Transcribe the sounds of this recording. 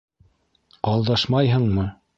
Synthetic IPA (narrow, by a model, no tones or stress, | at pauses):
qɑlˠd̪ɑʃmɑjɦɤ̆ɴmɤ